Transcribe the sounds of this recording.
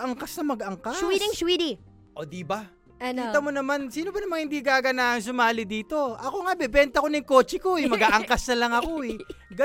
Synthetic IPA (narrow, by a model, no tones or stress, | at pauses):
ʔɐŋkasnɐmɐɡɐŋkawid̪iŋswiːd̪i | ʔo̞d̪ibɐ | ɐnkiːt̪ɐmo̞nɐmansiːno̞bɐnɐmaŋhɪnd̪iɡaːɡɐnaːʔɐŋs̬ʊmaːlɪd̪iːt̪o̞ʔɐko̞ŋabɛbɛnt̪ɐkonɪŋko̞ːt͡ʃɪkomɐɡaːʔɐŋkɐsnɐlɐŋɐko̞ɛɡɐ